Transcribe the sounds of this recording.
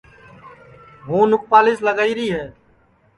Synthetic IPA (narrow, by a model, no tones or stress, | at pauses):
ɦũːnʊk̚paːlɪːsləɡaːiːɾiːɦɛː